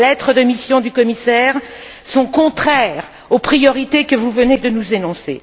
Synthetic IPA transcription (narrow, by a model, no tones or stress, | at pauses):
lɛt̪χəd̪əmisjɔ̃d̪ykɔmisɛːʁ | sɔ̃kɔ̃t̪χɛʁ | opχijɔʁit̪ekəvuvəned̪ənuzenɔ̃se